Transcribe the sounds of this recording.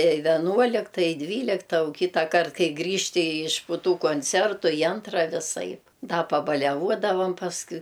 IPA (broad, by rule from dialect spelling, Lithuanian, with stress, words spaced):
ɪ ʋʲɛˈnuɔlʲɪktɐ ɪ ˈdʲʋʲiːlʲɪktɐ ʊ ˈkʲiːtɐkɐrt ˈkɐɪ ˈɡrʲiːʃʲtʲɪ ɪʃ pʊ ˈtuː kʊnʲt͡sʲɛrtʊ ɪ ˈɐntrɐ ʋʲɪˈsɐɪp ˈdɐ pɐbɐlʲɛˈʋuɔdɐʋɐm pɐsˈkʊɪ